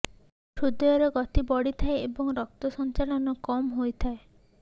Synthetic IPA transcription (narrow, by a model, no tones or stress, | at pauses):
ʃʰud̪ɔjɔɾɔɡɔt̪ibɔɽit̪ʰaeebɔŋɾɔk̚t̪ɔsɔnt͡ʃalɔnɔkɔmɦojt̪ʰae